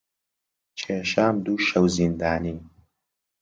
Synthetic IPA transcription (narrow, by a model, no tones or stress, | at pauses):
t͡ʃʰeːʃaːmd̪uːʃɐwzind̪aːniː